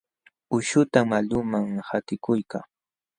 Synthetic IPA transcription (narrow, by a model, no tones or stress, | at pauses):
ʊʃʊt̪amaʎʊmaŋhat̪ɪkʊjkaː